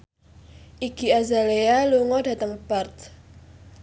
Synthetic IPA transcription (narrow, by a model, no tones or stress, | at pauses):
ʔiɡ̥iazalealuŋɔdä̤t̪əŋpart̪